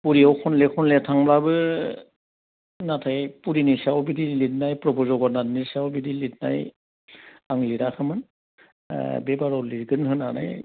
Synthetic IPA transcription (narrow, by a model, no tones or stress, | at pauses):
puɾiɔwkʰɔnlɛkʰɔnlɛtʰaŋblabɯ | natʰapuɾinisawɔbidilitnajpɹɔbɔzɔɡɔtnadnisawbidilitna̰j | aŋliɾakʰɯmɯn̰ | bɛbaɹɔliɡɯnɦɯnana̰j